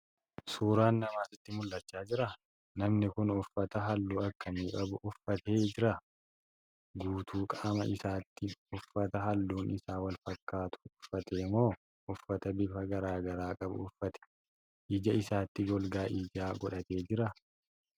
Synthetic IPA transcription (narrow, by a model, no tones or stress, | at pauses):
suːɾaːnːɐmaːsɪt̪ːɪmʊlːɐt͡ʃːaːd͡ʒɪɾɐ | nɐmnɪkʊnʊfːɐt̪ɐɦɐlːuːɐkːɐmiːkʼɐbʊʔʊfːɐt̪eːd͡ʒɪɾɐ | ɡuːt̪uːkʼaːmɐʔɪsaːt̪ːɪʊfːɐt̪ɐɦɐlːuːnʔɪsaːwɐlfɐkːaːt̪ʊ̥ʊfːɐt̪eːmo̞ː | ʔʊfːɐt̪ɐbɪfɐɡɐɾaːɡɐɾaːkʼɐbʊ̰ʊfːɐt̪ɛ̥ | ʔiːd͡ʒɐɪsaːt̪ːɪɡɔlɡaːʔiːd͡ʒaːɡɔᶑɐt̪e̞ːd͡ʒɪɾɐ